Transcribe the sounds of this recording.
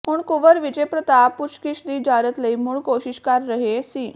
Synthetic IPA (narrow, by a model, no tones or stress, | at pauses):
puːɳkuʋəɾʋit͡ɕepɾət̪aput͡ɕkiʂd̪iːd͡ʑaɾət̪ləimuːɭkoɕiɕkaɾːəɦesiː